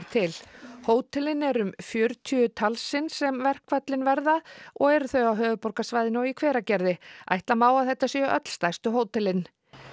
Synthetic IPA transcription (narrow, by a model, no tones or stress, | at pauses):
ɾt̪ʰɪlhoːwt̪ʰɪlɪnɛɾʏmfjœɾt̪ʰyːʏt̪ʰalsɪnsːɛmvɛr̥kvat̪lɪnvɛɾðaɔɣɛɾθœɥawɦœːvʏpɔr̥kasvajðɪnawikʰvɛːɾacɛɾðɪa̰jht̪lamaːwaθɛht̪ːasiœʔœ̰t̪l̥st̪ajst̪ʏɦoːwt̪ɪlɪn